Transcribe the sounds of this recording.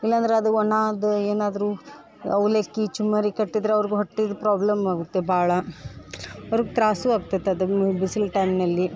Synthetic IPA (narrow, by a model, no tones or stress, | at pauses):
ilːɐɐnd̪ɾeɐd̪uɔnaːd̪eːnaːd̪ɐɾuː | ɐwleːkːit͡ʃumːɐɾikɐʈːid̪ɾeɐʋɐɾiɡeɦoʈːid̪pɾaːblɐmaːɡut̪ːe̞bʱaːɭɐ | ɐʋɾiɡet̪ɾaːsuaːɡut̪ːɐt̪ːeɐd̪ubisilʈɐjmnɐlːi